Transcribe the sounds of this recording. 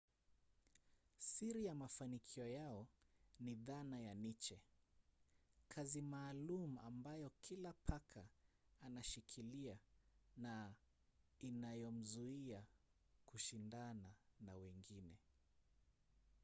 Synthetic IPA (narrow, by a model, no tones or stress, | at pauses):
siɾijamafanikʰiɔjaɔniðanajanit͡ʃɛ | kʰazimaːlumua̰mbajɔkʰilapʰakʰa | anaʃikʰiliana | inajɔm̩zuia | kuʃindananawɛŋɡinɛ